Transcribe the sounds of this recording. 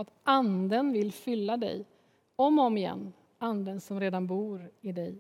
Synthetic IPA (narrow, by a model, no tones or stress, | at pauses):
at̪and̪ənvɪlːfʏlːad̪ɛ̰j | ɔmɔmɪjɛ̰nː | and̪ənsɔmɾeːd̪anbuːɾɪd̪ɛj